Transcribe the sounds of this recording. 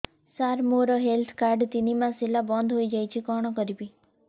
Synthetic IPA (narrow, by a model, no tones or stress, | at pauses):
saɾmoɾɔɦelt̪ʰkaɾɖt̪inimãsilabɔnd̪ʱɦojd͡ʒajt͡ʃʰikɔɽ̃ɔkɔɾibi